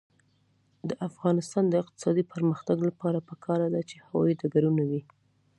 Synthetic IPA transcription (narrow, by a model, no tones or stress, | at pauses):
d̪əʔafɣɑnɪst̪ɑnd̪əɪq̚t̪ɪ̥sɑd̪ipəɾməxt̪aɡlapɑɾapəkʰɑɾad̪at͡ʃe̥hawɑ̰id̪aɡaɾunawi